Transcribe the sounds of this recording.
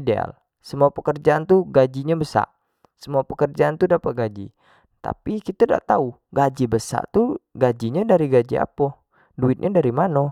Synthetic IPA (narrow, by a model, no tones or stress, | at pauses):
dea̰l | səmuapəkərd͡ʒaːnt̪uɡad͡ʒiɲabəsa̰ʔ | səmuapəkərd͡ʒaant̪udapat̪̚ɡad͡ʒḭ | t̪a̰pikit̪ada̰ʔt̪au | ɡad͡ʒibəsa̰ʔt̪uɡad͡ʒiɲadaɾiɡad͡ʒia̰pɔ | duɪt̪̚ɲʔadaɾimano